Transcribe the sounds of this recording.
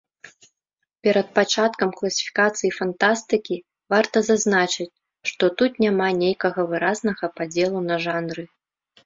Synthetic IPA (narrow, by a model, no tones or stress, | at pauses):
pʲɛɾɐt̪̚pat͡ʂat̪kɐmklˠɐsʲi̥fʲi̥kat̪sɨjifant̪ast̪ɨkʲi | vart̪ɐzaznat͡ʂɨt͡sʲ | ʂt̪ɔt̪ut̪nʲamanʲejkɐɣɐvɨɾaznɐɣɐpad͡zʲɛlˠunɐʐanɾɨ